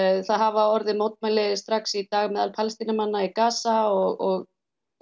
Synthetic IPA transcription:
θaðɦavaɔɾðɪmoːwt̪̚mɛjlɪðɪst̪ɾaksit̪aːɣmɛːðalpʰalst̪inamanːaikaːsaɔɣɔɣ

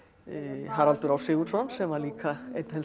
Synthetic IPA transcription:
ɦaɾalt̪ʏɾawsɪɣut̪sɔnsɛmaɾliːkaḛjt̪hɛl

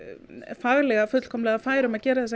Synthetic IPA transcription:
faɣlɛɣafʏt̪l̥kʰɔmlɛːɣafaːjɾʏmaðcɛːɾaðθɛs̬ː

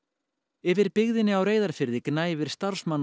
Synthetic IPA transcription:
ɛvɪɾpɪɣðɪnːɪawreːjðaɾ̥fɪɾðɪknaːjvɪɾ̥st̪aɾ̥smanː

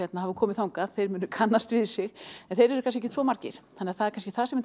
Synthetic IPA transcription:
ɛt̪nahavʏkʰɔːmɪðθawŋkaðθejɾmʏːnʏkʰanːast̪vɪðsɪɣɛnθejɾɛɾʏkʰans̬cɛɛcːɪt̪ʰɾvɔːmaɾcɪ̰ɾ̥θanːɪaθaðɛɾkʰanscɪ̥θasɛmɛn

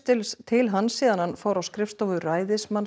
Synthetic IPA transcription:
t̪ɪlst̪ʰɪlɦanːsiːðananfaːwɾawskɾɪfst̪ɔvʏraːjðɪsman

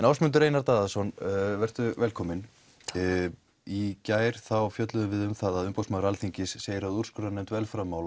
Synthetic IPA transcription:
ɛnawsmʏnt̪ʏɾeːjnaɾt̪aːðasɔnvɛr̥t̪ʏvɛlkʰɔːmɪn | icaːjɾ̥θawfjœt̪lʏðʏvɪðʏmθaðaðʏmpowsmaðɾalθiɲcɪsːeːjɪɾaðuɾ̥skʏɾanɛmt̪vɛlfɾamːaːwl

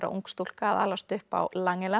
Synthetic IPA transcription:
ɾa̰ʔṵŋkst̪ul̥kaːða̰lvast̪ʏhpa̰wlaŋːɛlɛ

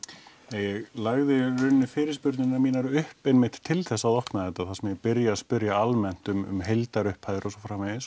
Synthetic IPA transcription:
eːjɛɣlaɣðɪrʏnːʏfɪːɾɪ̥spʏɾt̪nɪnːamiːnaɾʏhpenmɪjht̪ʰːɪlθɛsːaðɔhknaðɛt̪ːaθasɛmjɛpɪɾjaːðspʏɾjaalmɛn̥t̪ʏmʏ̰mɦejlt̪aɾʏhphaːjðɾɔsɔfɾaːmɛðɪs

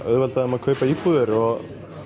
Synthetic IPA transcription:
œ̰ðvɛlt̪aðʏmaðkʰœːɥpaiːpuːðɪɾɔɣ

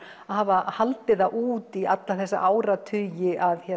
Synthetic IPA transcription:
ahaːvahalt̪ɪðaʔuːt̪iat̪laθɛsːa̰ʔaːwɾat̪ʰʏjɪʔaðçɛ

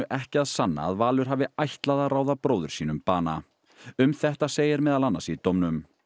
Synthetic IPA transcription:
ʏʔɛhcɪaðsanːa̰ðvaːlʏɾ̥ɦaːvɪajht̪laðaɾaːwðapɾoːwðʏɾ̥siːnʏmpaːna | ʏmθɛht̪aseːjɪɾmɛːðalanːasit̪ɔmnʏm

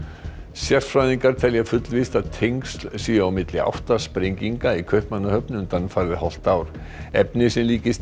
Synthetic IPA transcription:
sjɛr̥fɾajðiŋkaɾ̥t̪ʰɛljafʏt̪lvist̪aðt̪ʰejŋkst̪l̥siːjaawmɪt̪lɪa̰wht̪aspɾejŋciŋkaikʰœɥhpmanːahœpnʏmt̪anːfaːɾðɪhɔl̥t̪awɾ̥ | ɛpnɪsɛmliːcɪst̪

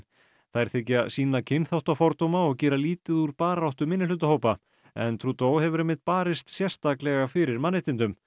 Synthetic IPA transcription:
θajɾ̥θɪcːasiːnacʰɪnθawht̪afɔɾt̪owmaɔɣcɛːɾaliːt̪ɪðuɾpaːɾawht̪ʏmɪnːɪlʏt̪ahoːwpa | ɛ̰nt̪ʰɾuːt̪oːwhɛvʏɾɪmɪt̪̚paːɾɪst̪sjɛr̥st̪aklɛɣafɪɾɪɾmanːɪht̪ɪnt̪ʏm

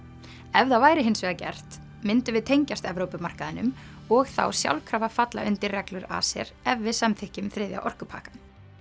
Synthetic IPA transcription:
ɛvðavaːjɾɪɦɪnsvɛːðacɛ̰r̥t̪ | mɪnt̪ʏvɪðt̪ʰejɲcast̪ɛvɾowpʏmar̥kaðɪnʏm | ɔɣθa̰wsja̰wlkʰɾaːvafat̪la̰ʔʏnt̪ɪrrɛklʏɾa̰sɛ̰ɾ̥ɛvvɪðsamθɪhcʏmθɾɪðja̰ʔɔr̥kʏpʰa̰ːkḁn

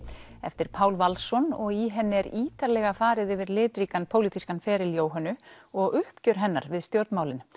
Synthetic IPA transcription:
ɛ̰ft̪ɪɾ̥pʰaːwlvalsɔnɔɣiɦɛnːɪɛɾiːt̪aɾlɛɣafaːɾɪðʏvɪɾlɪːt̪ɾiːkanpʰowlit̪ʰiskanfɛːɾɪljoːwɦɛnːʏɔɣʏhpcʏɾ̥ɦɛnːa̰ɾvɪðst̪jowɾt̪maːwlɪn

